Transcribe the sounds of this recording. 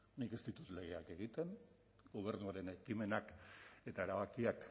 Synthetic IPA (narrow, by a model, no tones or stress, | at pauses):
nike̞st̪it̪ut̪le̞ɣ̞eake̞ɣit̪e̞n | ɡo̞β̞e̞ɾnuaɾe̞ne̞kime̞nake̞t̪ae̞ɾaβakiak